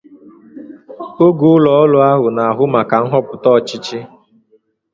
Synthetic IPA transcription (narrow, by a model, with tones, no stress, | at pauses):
o˦ɡu˨ʊ˦lɔ˨ɔ˦lʊ˦a˦ɦʊ˨na˨a˨ɦʊ˦ma˨ka˨ŋ̩˦ɦɔ˦pʊ˨tɔ˦˨t͡ʃɪ˦t͡ʃɪ˦